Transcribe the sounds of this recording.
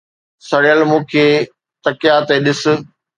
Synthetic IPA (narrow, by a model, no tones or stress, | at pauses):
sɐɽjəlmũːkʰeː | t̪ɐkɪjat̪eɗɪsʊ̆